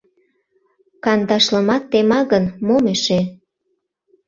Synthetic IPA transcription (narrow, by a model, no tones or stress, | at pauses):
kɑnd̪ɑʃlə̆mɑt̪ːemɑɣənmomeʃe